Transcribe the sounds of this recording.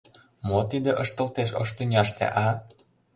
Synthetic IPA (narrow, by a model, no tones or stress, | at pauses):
mot̪id̪eʔəʃt̪ə̆lt̪eʃo̰ʃt̪ynʲɑʃt̪ḛʔɑ